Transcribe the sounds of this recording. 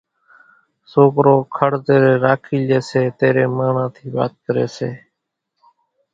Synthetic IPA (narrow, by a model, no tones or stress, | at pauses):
soːkɾoːkʰəɽt̪eːɾeːɾaːkʰiːleːseːt̪eːɾeːmaːɳãːt̪ʰiːʋa̰ːt̪̚kəɾḛːseː